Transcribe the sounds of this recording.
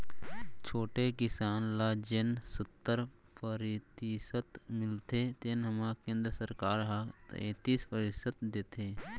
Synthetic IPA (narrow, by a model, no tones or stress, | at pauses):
t͡ʃʰoːʈekɪsaːnlad͡ʒeːnsət̪ːəɾ | pəɾɪt̪isət̪mɪlt̪et̪eːnɦəmakẽːnd̪ɾəsəɾkaːɾɦat̪ẽːt̪iːspəɾɪsət̪d̪eːt̪ʰeː